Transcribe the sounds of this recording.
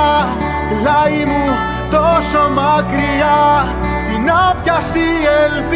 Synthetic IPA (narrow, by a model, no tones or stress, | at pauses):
lɐimu | t̪osomɐkɾiɐ | inɐpçɐst̪ielp